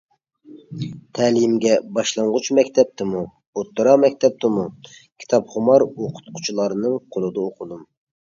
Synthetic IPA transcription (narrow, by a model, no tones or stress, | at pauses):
t̪ʰɛlimɡʲɛbɑʃlˠɑɴʁʊt͡ʃmɛkʲt̪ʰɛp̚t̪ʰɪmu | ot̪ːɨɾɑmɛkʲt̪ʰɛp̚t̪ʰɨmukʲʰi̥t̪ʰɑpχʊmɑɾoqʰʊ̥t̪̚qʰʊ̥t͡ʃʰulˠɑɾɨnɨŋqʰolˠɨd̪ɑoqʰʊd̪um